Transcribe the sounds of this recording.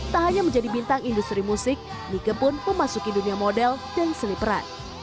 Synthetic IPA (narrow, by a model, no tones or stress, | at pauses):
t̪aɦaɲaməɲd͡ʒadibint̪aŋindust̪ɾimusɪk̚ | nikəpʊnməmasukiduniamodɛldansəlipəɾa̰t̪̚